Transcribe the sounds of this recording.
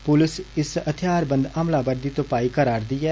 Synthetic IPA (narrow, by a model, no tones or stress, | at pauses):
pʊlɪsɪsət̪ʰɪjaːɾbənd̪aːmlaːbəɾd̪iːt̪opaːiːkəɾaːɾd̪iːɛː